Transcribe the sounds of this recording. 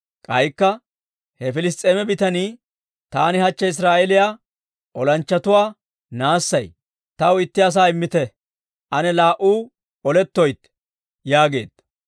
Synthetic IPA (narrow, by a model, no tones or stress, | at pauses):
kʼɐjkːɐ | hɛfɪlɪs̬t̪ʼeːmɛbɪt̪ɐniː | t̪aːnɪhɐt͡ʃːɐɪs̬ɾaːʔɛlɪjaː | ʔɔlɐnt͡ʃːɐt̪ʊwaː | naːsːɐj | t̪ɐwɪt̪ːɪɐs̬aːɪmːɪt̪ɛ | ʔɐnɛlaːʔuː | ɔlɛt̪ːɔjt̪ː | jaːɡe̞̰ːd̪̥